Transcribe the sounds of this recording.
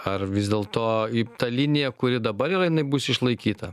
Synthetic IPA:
ɐrʋʲɪzʲd̪ʲeːlˠt̪oːit̪ɐlʲɪnʲɪjɛkʊɾʲɪd̪ɐbɐɾɪrɐjɪnɐɪbʊsɪʃlˠɐɪkʲiːt̪ɐ

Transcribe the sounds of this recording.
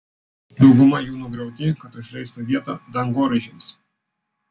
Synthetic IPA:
d̪ɐʊɡʊmɐjuːnuɡɾɐʊt̪ʲɪkɐt̪ʊʃʲlʲɛɪst̪ʊʋʲiɛt̪ɐd̪ɐŋɡoːɾʲɪʒʲɪms

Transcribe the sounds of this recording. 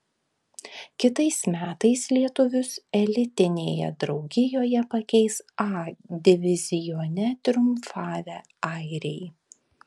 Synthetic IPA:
kʲɪt̪ɐɪsmʲæːt̪ɐɪslʲiɛt̪ʊʋʲʊsɛlʲɪt̪ʲɪnʲeːjɛ̰d̪ɾɒʊɡʲɪjoːjɛpɐkʲɛɪsɑːd̪ʲɪʋʲɪzʲɪjoːnʲɛt̪ʲɾʲʊmfɑːʋʲɛ | ɐˑɪɾʲɛɪ

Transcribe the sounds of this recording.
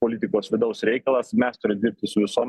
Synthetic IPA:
poːlʲɪt̪ʲɪkoːsʋʲɪd̪ɐʊsɾʲɛɪkɐlˠɐsmʲɛst̪ʊɾʲɪmd̪ʲɪɾʲp̚ʲt̪ʲɪsʊʋʲɪsoːm

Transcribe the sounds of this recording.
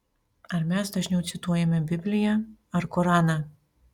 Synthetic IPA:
ɐɾmʲɛsd̪ɐʒʲnʲɛʊt̪sʲɪt̪uɔjɛmʲɛbʲɪbʲlʲɪjɛɐɾkɔɾɑːnɑ

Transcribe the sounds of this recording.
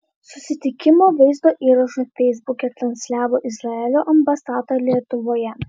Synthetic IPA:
sʊsʲɪt̪ʲɪkʲɪmoːʋɐɪzd̪oːʔiːɾɐʃufʲɛɪzbʊkʲɛt̪ɾɐnʲsʲlʲæːʋoːʔɪzɾɐɛlʲoːʔɐmbɐsɑːt̪olʲiɛt̪ʊʋoːjɛ

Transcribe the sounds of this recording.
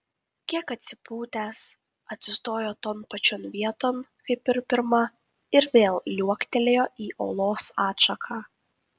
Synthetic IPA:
kʲiɛkɐt̪ʲsʲɪpuːt̪ʲæːs | ɐt̪ʲsʲɪst̪oːjoːt̪oːnpɐt͡ʃʲɔnʋʲiɛt̪oːnkɐɪpɪɾpʲɪɾmɐ | ɪɾʋʲeːlˠlʲuɔkt̪ʲɛlʲejoːʔiːʔoːlˠoːsɑːt̪ʃɐkʰɑː

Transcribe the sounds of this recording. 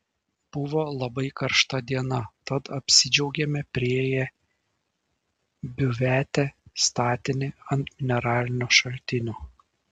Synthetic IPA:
b̥ʊʋoːlˠɐbɐɪkɐɾʃt̪ɐd̪ʲiɛnɐt̪ɐt̪ɐpʲsʲɪd͡ʒʲɛʊɡʲɛmʲɛpʲɾʲɪejɛ | bʲʊʋʲæːt̪ʲɛst̪ɑːt̪ʲɪnʲɪɐnt̪mʲɪnʲɛɾɑːlʲɪnʲuːʃɐlʲt̪ʲɪnʲuː

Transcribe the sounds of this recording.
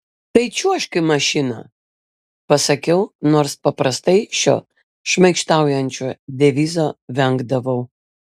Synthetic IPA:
t̪ɐɪt͡ʃʲuɐʃkɐɪmɐʃʲɪnɐ̰ː | pɐsɐkʲɛʊnoːɾspɐpɾɐst̪ɐɪʃʲo̰ː | ʃʲmʲɐɪkʃt̪ɑˑʊjɛnʲt͡ʃʲoːd̪ʲɛʋʲiːzoːʋʲɛŋɡd̪ɐʋɐʊ

